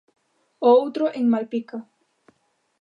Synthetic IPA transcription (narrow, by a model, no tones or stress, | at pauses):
owt̪ɾoʔeŋmalpika